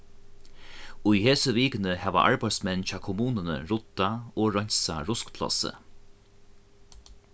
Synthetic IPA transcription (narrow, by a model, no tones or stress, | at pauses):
ʊjheːsəʋiːkənəhɛːʋa̰ʔa̰ɹpaj̪smɛnt͡ɕaːkʰʊmuːnənə̰ɹʊt̪ːaoːɹɔɲ̥sa̰ɾʊskpʰlɔ̰sə̰